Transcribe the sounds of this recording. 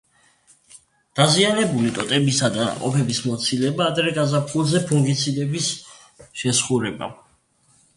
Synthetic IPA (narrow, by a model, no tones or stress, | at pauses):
d̪̥azianɛbulit̪ʼɔt̪ʼɛbisad̪ana̰qʼɔ̰pʰɛbismɔt̪sʰilɛbaːd̪ɾɛɡazapʰulˠzɛpʰuŋɡit̪sʰid̪ɛbis | ʃɛsχuɾɛba̰